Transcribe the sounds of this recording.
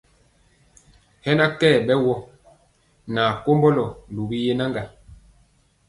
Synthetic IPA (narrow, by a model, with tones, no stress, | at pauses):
hɛ˦na˦kɛː˦˨ɓɛ˦wɔ˦ | naː˨ko˦mbɔ˦lɔ˨lu˨bi˦je˦na˦ŋɡa˨